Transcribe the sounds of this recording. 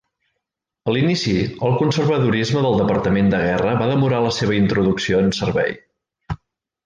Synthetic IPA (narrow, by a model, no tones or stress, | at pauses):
əlinisiəlˠkunsərβəðuɾizməðəlˠd̪əpəɾt̪əmend̪əɣ̞ɛrəβaðəmuɾaləseβ̞əint̪ɾuðuksioənsərβɛ̰j